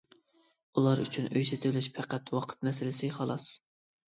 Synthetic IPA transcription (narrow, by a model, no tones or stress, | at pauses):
ulˠɑɾy̰t͡ʃʰynøjsɪt̪ʰɪlɪʃpʰæqæt̪wɑqʰə̥t̪mɛsɪlɪsɪχɑlˠɑs